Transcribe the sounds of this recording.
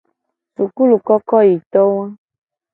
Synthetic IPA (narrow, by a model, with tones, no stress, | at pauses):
su˨ku˦lu˨kɔ˦kɔ˦ji˨t̪ɔ̃˦ã˦